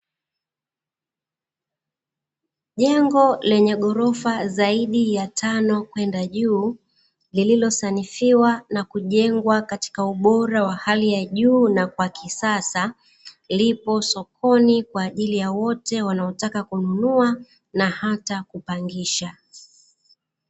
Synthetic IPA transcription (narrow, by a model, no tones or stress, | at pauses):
ʄɛŋɡɔlɛɲɛɠɔɾɔfazaiɗijatʰanɔkwɛndaʄuː | lililɔsanifiwanakuʄɛŋɡwakati̥kauɓɔɾawahalijaʄuːnakwakisasa | lipɔsɔkʰɔnikwaːʄilijawɔtɛwanaɔtakakununua | nahatakupaŋɡiʃa